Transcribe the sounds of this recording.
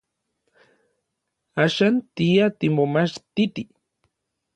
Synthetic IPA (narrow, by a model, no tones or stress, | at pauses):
aʃant̪ijat̪imomaʃt̪it̪i